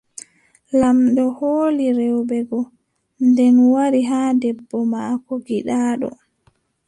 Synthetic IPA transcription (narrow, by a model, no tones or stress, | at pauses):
lamɗɔhoːliɾɛwbɛɡɔ | ndɛnwaɾiɦaːdɛbːɔmaːkɔɡiɗaːɗɔ̰